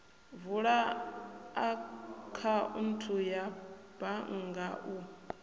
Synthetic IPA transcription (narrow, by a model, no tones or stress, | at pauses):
vuɺa | akʰaʔṵn̩tʰujab̥aŋ̩ɡaʔu